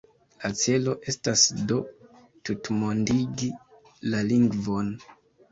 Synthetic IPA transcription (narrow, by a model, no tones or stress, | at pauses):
lat͡se̞lo̞ʔe̞stasdo̞ | tutmo̞ndiɡi | laliŋɡvo̞n